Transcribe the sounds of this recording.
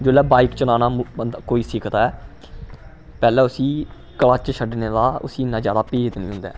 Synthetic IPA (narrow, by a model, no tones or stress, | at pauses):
d͡ʒolːɛːbaːikt͡ʃənaːnaːəd̪koːiːsɪkʰt̪aːɛː | pɛːlɛːʊsĩː | kəlaːt͡ʃəʃʰəɖneːd̪aːʊ̰sĩːɪnːãːd͡ʒjaːd̪aːpeːt̪nḭ̃ːɦʊ̃nd̪ɛ̰ː